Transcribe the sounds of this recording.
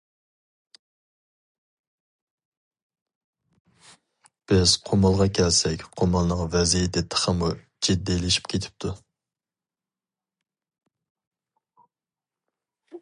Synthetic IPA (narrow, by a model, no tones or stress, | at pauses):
b̥ɪz̥qʰomɑlˠʁɑkʲʰɛlsɛkʲqʰomɑlˠnɨŋvɛzijid̪ɛt̪ʰə̥χəmu | d͡ʒid̪ːilɪʃi̥p̚kʲʰet̪ʰɪ̥p̚t̪ʰu